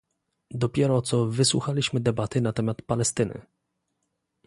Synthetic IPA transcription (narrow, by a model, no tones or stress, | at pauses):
d̪ɔpʲjɛɾɔt̪sɔvɘswṵxalʲiɕmɘd̪ɛbat̪ɘnat̪ɛmat̪palɛst̪ɘnɘ̰